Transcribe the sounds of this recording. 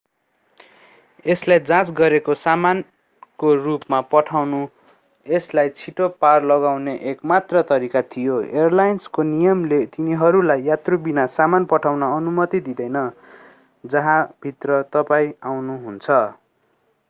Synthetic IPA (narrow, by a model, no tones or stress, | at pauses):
eslajd͡zãt͡sɡʌɾekosaman | korupmapʌʈʰawnu | eslajt͡sʰiʈoparlʌɡawneʔekmat̪rʌt̪ʌɾikat̪ʰijoerlajnskonijʌmlet̪iniɦʌɾulajːat̪robinasamanpʌʈʰawnʌːnumʌt̪id̪id̪ʌjnʌ | d͡zʌɦãbʱit̪rʌt̪ʌpaĩawnuɦunt͡sʰʌ